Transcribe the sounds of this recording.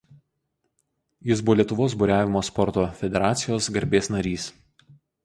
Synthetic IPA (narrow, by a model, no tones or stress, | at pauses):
jɪsbʊʋɔlʲiɛt̪ʊʋoːs̬bʊɾʲæːʋʲɪmoːspɔɾt̪oːfʲɛd̪ʲɛɾɑːt̪sʲɪjoːsɡɐɾʲbʲeːsnɐɾʲiːs